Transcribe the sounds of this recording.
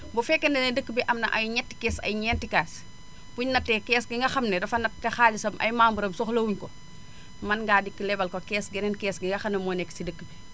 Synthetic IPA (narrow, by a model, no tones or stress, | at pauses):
bufɛkːɛndɛnɐdəkːəbiʔɐmnɐʔɐjɲɛtːi̥kɛːsɐ̰jɲɛntikaːs | buɲnɐtːɛkɛːsɡiŋɡɐxɐmnɛdɐfɐnɐttːɛxaːlisɐmɐ̰jmaːmbuɾɐmsɔxlowuɲkɔ | mɐnɡaːdikːəlɛbɐlkɔkɛːsɡɛnɛnkɛːsɡiŋɡɐxɐnɐmɔnɛkːsidəkːbi